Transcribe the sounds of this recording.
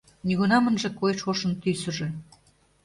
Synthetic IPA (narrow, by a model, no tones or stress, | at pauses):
niɣunɑmə̆nʒĕkojʃoʃə̆nt̪ysə̆ʒĕ